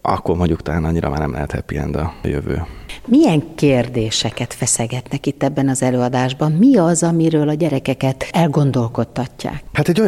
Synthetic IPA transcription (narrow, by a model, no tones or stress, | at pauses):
ɒ̰kːormoɲɟukt̪ɔlaːnɒɲːiɾʔɒ̰maːɾnɛmlɛ̰ɦɛt̪hɛpiɛ̰nd̪ɒjø̰vø̰ːmijɛŋkeːrd̪eːʃɛkɛt̪fɛsɛɡɛt̪nɛkit̪ːɛbːɛnɒzɛløːɒd̪aːʒbɒmmiɒzɒmiɾøːlɒɟɛɾɛkɛkɛt̪ɛlɡo̞nd̪o̞lko̞t̪ːɒcːa̰ːkhaːt̪ɛɟːoj